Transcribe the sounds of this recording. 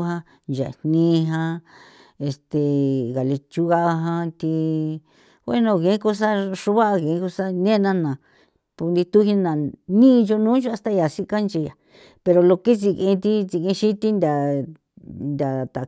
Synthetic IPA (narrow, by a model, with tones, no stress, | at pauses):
ɦã˦ | nd͡ʒa̰˨nnĩː˦˧˦ɦã˧ | e˧st̪e˨ɣa˨le˧t͡ʃu˦ɣa˦ʔa˧ɦã˧t̪i˧ | wʷe˦nõ˧˨kẽ˧˨˦ko˧s̬a˦ʂu˧βa˦a˧kẽ˨˦ku˧sa˦nẽ˦˧nã˧nã˨ | pu˧nd̪i˧t̪u˦hi˧nã˨nĩ˦˧ʒo˧nũː˦ʒo˦˧a˧st̪a˦ja˨si˦˧ka˦nt͡ʃi˧ja˨ | pe˧ɾo˧lo˧ke˦t͡si˧˨kẽ˧t̪i˦t͡si˧kẽ˧ʃi˦t̪i˦nd̪ʲa˨ | nd̪ʲa˨t̪a˨